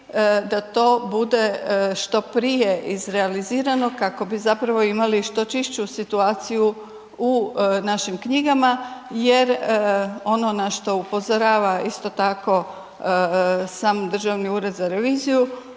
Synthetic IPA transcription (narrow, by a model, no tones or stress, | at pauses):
d̪at̪o̞ːbud̪e̞ʃt̪o̞pɾije̞ʔizɾealiziːɾano̞kako̞bizapɾaʋo̞imaliʃt̪o̞t͡ʃiʃt͡ɕusit̪uaːt̪siju | unaʃimkɲiɡamaje̞ɾ | o̞no̞naʃt̪o̞upo̞zoɾaːʋaist̪o̞t̪ako̞ | saːmd̪r̩ʒaʋniuːɾe̞d̪zaɾeʋiːziju